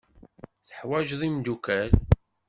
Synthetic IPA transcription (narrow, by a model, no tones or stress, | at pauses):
θəħwæʒðˤimd̪ukæl